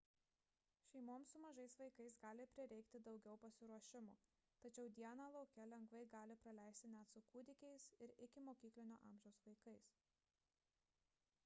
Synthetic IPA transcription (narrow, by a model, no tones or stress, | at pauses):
ʃʲɛɪmoːmsʊmɐʒɐɪsʋɐɪkɐɪsɡɑːlʲɪpʲɾʲɪɾʲɛɪkt̪ʲɪd̪ɒʊɡʲɛʊpɐsʲɪɾuɔʃʲɪmoː | t̪ɐt͡ʃʲɛʊd̪ʲiɛnɑːlˠɒʊkʲɛlʲɛŋɡʋɐɪɡɑːlʲɪpɾɐlʲæˑɪsʲt̪ʲɪnʲæt̪sʊkuːd̪ʲɪkʲɛɪsɪɾɪkʲɪmoːkʲiːklʲɪnʲo̰ːʔɑːmʲʒʲɛʊsʋɐɪkɐɪs